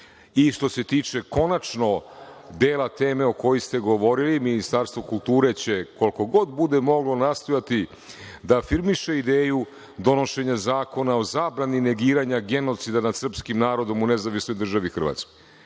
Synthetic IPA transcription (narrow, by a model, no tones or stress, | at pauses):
iʃt̪o̞se̞t̪iːt͡ʃe̞ko̞nat͡ʃno̞d̪eːlat̪e̞ːme̞oko̞jist̪e̞ɡo̞ʋo̞ɾiliminist̪aɾst̪ʋo̞kult̪uːɾe̞t͡ɕe̞ko̞lko̞ɡo̞d̪bud̪emo̞ɡlo̞nast̪o̞jat̪i | d̪afiɾmiʃe̞id̪eːju | d̪o̞no̞ʃe̞ɲazaːko̞nao̞zaːbɾanine̞ɡiːɾaɲaɡe̞no̞t̪sid̪anad̪sr̩pskimnaːɾo̞d̪o̞mune̞zaʋisnojd̪r̩ʒaʋixr̩ʋa̰t̪skoj